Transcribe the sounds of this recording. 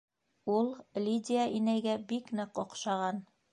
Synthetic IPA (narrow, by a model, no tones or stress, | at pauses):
ulˠlʲidʲɪaʔinæjɡæbiknɤqŏqʃɑʁɑn